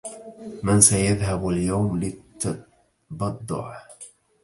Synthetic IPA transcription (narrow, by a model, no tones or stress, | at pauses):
mɪnsajaðɦabaljawmlɪt̪ː | bɑd̪ˤːʊ̰ʕ